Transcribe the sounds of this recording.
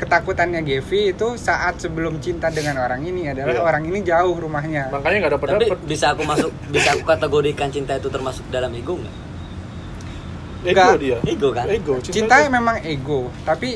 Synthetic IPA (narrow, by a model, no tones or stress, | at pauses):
kət̪akut̪anɲaɡefiːt̪usaʔat̪səbəlʊmt͡ʃint̪adəŋanoɾaŋiniadalaɦoɾaŋinid͡ʒaʊhrumahɲamakaɲaŋɡadapət̪apibisaːkumasʊk̚bisaːkukat̪eɡoɾikant͡ʃint̪ait̪ut̪ərmasʊ̥k̚dalamiɡʊŋɡa̰ | eɡaɡodiaeɡokaneɡot͡ʃt͡ʃint̪amemaŋeɡot̪api